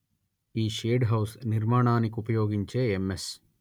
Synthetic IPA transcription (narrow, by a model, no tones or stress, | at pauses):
iːʃeːɖɦɐwsniɾmaːɳaːnikupɐjoːɡiɲt͡ʃeːemːes